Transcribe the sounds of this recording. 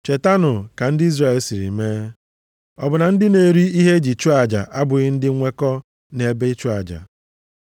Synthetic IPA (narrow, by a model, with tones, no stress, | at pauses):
t͡ʃe˨ta˦nʊ˨ka˨n̩˦dɪ˦i˦zra˨e˦˨lsi˨ɾḭ˨me˦ | ɔ̰˨bʊ˨na˨n̩˦dɪ˦ne˨ɾi˦i˦ɦe˦d͡ʒi˨t͡ʃu˦a˨d͡ʒa̰˨ʔa˦bʊ˨ɣɪ˦n̩˦dɪ˦ŋʷe˦kɔ˦ | ne˨be˦i˦t͡ʃu˦a˨d͡ʒa̰˨